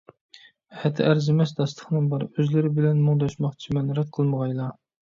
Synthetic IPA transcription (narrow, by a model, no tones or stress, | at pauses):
hɛt̪ʰɪæɾzɪmɛs̬d̪ɑst̪ʰə̥χnɨŋbɑɾøzlɪɾɪbɪlɛnmuŋd̪ɑʃmɑχt͡ʃʰimɛnɾɛt̪̚qʰəlˠməʁɑjlˠɑ